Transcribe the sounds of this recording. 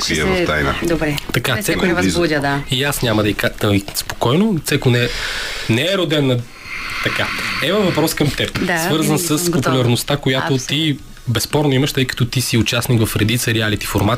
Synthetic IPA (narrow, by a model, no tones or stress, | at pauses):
kiɐst̪aina̰d̪obɾɛt̪ɐkasɛkɛvuəd̪aiasnʲamɐd̪ɐikaəispo̥kɔjnot̪sɛkonɛnɛɛɾod̪ɛnːɐ | t̪ɐkaɛvɐvɐpɾɔskɐmt̪ɛpd̪asvɤɾzənsəspopulʲɐɾnost̪akojaot̪i | bɛspɔɾnoimɐʃt̪ɤjkɐ̥t̪ɔt̪isiʊt͡ʃasnikvɐfɾɛd̪it̪səɾɛalit̪i̥foɾmat̪